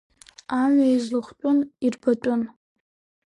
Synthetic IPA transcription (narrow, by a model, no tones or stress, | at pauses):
amajzlɨχʷt͡pʼʊnirpʰatʷʼʊn